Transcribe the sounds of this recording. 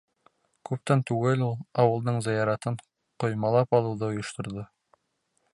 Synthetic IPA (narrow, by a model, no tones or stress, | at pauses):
kʉp̚t̪ænt̪ʉɡɘlulˠɑwɤ̆lˠd̪ɤɴzɘ̆jɑɾɑt̪ɤɴ | qŏjmɑlˠɑpɑlˠɤ̆wðɤŏjŏʃt̪ŏɾðo